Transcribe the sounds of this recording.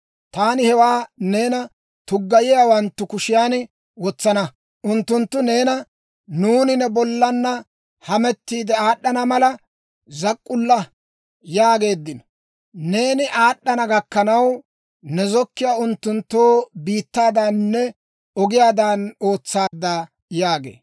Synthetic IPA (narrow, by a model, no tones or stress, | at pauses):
t̪aːnɪhɛwaːne̞ːnɐ | t̪ʊɡːɐjɪjaːwɐnt̪ːʊkʊʃɪjaːn | wɔt͡sːɐnɐ | ʔʊnt̪ːʊnt̪ːʊne̞ːnɐ | nuːnɪnɛbɔlːɐnːɐ | hɐmɛt̪ːiːd̪ɛaːɗːɐnɐmɐlɐ | zɐkʼːʊlːɐ | jaːɡe̞ːd̪ːɪnɔ | ne̞ːnɪʔaːɗːɐnɐɡɐkːɐnɐw | nɛzɔkːɪjaːʊnt̪ːʊnt̪ːoːbiːt̪ːaːd̪aːnːɛ | ɔɡɪjaːd̪ano̞ːt͡sːaːd̪a | jaːɡḛː